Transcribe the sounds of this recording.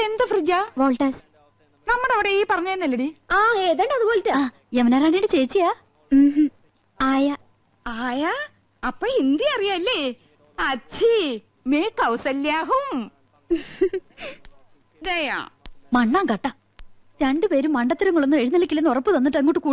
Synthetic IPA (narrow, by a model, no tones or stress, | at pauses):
end̪ɐfrid͡ʑaʋoːɭʈɐs | nɐmːuɽɐʋiɽeiːpɐrɐɲːajnɐlːɐɽiaːeːðeɳɖɐðuboːletʈːɨaː | emɐneːɾaːniːɽɨt͡ɕejt͡ɕːijaː | aːja | aːja | ɐpːoːind̪jɐɐrijaːɐlːe | ɐt͡ɕʰi | meːkːɐwsɐlːjaːɦum | d͡ʑɐja̰mɐɳːaːŋkɐʈːɐ | ɾeɳɖɨpeːɾumːɐɳɖɐt̪ːiɾɐŋːɐɭonːɨeɻinːɐlɐkʲːilːenːorɐpːɨt̪ɐnːiʈːɨeŋːoʈːɨkuː